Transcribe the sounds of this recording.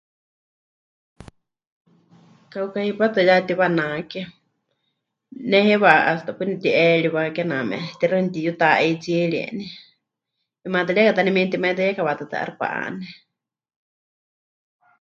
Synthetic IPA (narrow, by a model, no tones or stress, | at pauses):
kaukahipat̪ɨjat̪iβanakɛ | nɛhɛβaʔʔast̪apɨnit̪iʔɛɺiβakɛnamɛ̰ʔt̪iɾanit̪ijut̪aʔɛt͡siɺiɛ̰ni | imat̪aɺiɛkat̪animint̪imait̪ajɛkaβat̪ɨt̪ɨ̰ʔa̰ɾpa̰ʔa̰nɛ